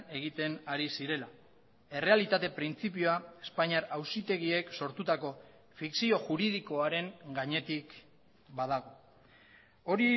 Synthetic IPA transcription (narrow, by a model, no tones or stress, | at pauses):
e̞ɣ̞it̪e̞naɾisiɾe̞la | e̞re̞alit̪at̪e̞pɾint͡sip̬ioae̞spaɲaɾawsit̪e̞ɣie̞kso̞ɾt̪ut̪ako̞ | fiksio̞ʝuɾið̞iko̞aɾe̞ŋɡaɲe̞t̪ik | baðaɣ̞o̞ | o̞ɾi